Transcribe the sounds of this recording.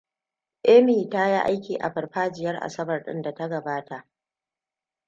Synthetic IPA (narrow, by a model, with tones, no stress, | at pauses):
ʔe˦miː˨taː˦ja˦ʔa˦jkʲiː˨ʔa̰˨ɸɐ˨rɸaː˦d͡ʒɪ˨jɐ˦rʔa̰˨sɐ˦bɐ˨rɗɪ̰˦nda˨ta˦ɡɐ˨baː˦ta˨ʔ